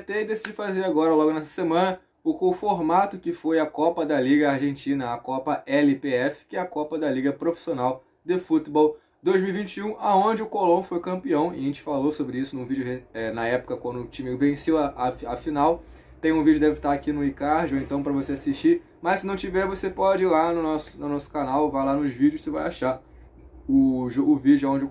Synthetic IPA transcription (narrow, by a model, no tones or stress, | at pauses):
t̪eɪd̪esid͡ʒɪfazeɾaɡɔɾɐlɔɡʊnɛsɐ̥semɐ̃nɐ | ʊkõfoɾmat̪ʊkɪfojɐkɔpɐd̪ɐliɡɐaɾʒẽnt͡ʃĩnɐːkɔpɐʔɛlɪpeɛfɪ̥kɪɛɐkɔpɐd̪ɐliɡɐpɾofi̥sionaw | d̪efut̪bɔw | d̪ojzmiuwivĩnt͡ʃiũaõd͡ʒɪʊkolõfojkɐ̃mpiɐ̃w̃ɪẽt͡ʃɪ̥falosobɾɪisʊnũvid͡ʒʊɦeɛnɐɛpʊ̥kɐkwʷɐ̃nd̪ʊʊt͡ʃĩmiɡʊvẽsewɐaafinaw | t̪ẽj̃ũvid͡ʒʊd̪ɛvɪt̪aɾakinʊikaɾd͡ʒoẽnt̪ɐ̃w̃pɾɐvoseasiʃt͡ʃi | mɐʃssɪnɐ̃w̃t͡ʃivɛɾvosepɔd͡ʒɪlanʊnɔsʊ̥nʊnɔsʊ̥kanawvajlanʊzvid͡ʒʊʃsɪvajaʃaɾ | ʊʒoʊvid͡ʒʊaõd͡ʒʊ